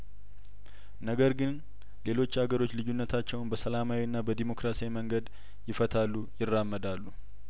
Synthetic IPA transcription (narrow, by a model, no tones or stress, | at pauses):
nəɡəɾɡɨn | le̞lo̞t͡ʃːaɡəɾo̞t͡ʃːlɨjunːət̪ʰat͡ʃːɛwnbəsəlamawinːabəd̪emo̞kɾasiaiməŋɡəd̪ | jɪfət̪ʰalːujɪrːamːəd̪alːu